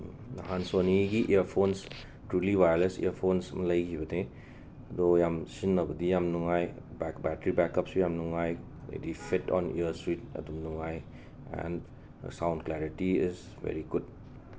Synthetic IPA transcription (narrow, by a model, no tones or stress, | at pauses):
nɐɦansoniɡiʔejəɾpʰons | tɾuliβajolesḭəɾpʰonsmɐlɐjkibɐne | ɐdojamsinːɐbɐdijamnuŋaj | bɛkbɛtɾibɛkːɐpsijamnuŋaj | lḛdipʰitɔ̰nḭjəɾswit̚ɐ̰dumnuŋaj | ɛ̰n̰ | sawndklɛɾitiiz | bḛɾiɡud̚